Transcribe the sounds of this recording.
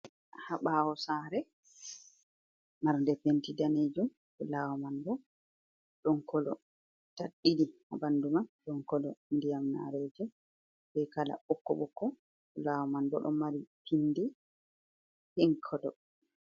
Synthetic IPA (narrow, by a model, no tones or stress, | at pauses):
haɓaːwɔsaɾɛ | maɾndɛpentidaneːd͡ʒum | ulawɔmanbɔ | ɗɔnkɔlɔ̰ | taɗːidiha̰bandumanɗɔŋkɔlɔndijamna̰ɾɛːd͡ʒɛ | bɛkala̰ɓɔkːɔɓɔkːɔ | ulawɔmanbɔ̰ɗɔ̰maɾipʰinːdi | hiŋkʰɔdɔ